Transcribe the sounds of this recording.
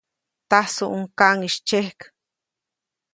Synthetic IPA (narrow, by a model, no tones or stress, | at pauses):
t̪asuʔuŋkaŋiʃt͡ʃehk